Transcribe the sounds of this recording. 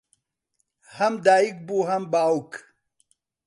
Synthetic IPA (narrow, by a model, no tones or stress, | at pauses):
hɐmd̪aːik̚buɦɐmbaːwk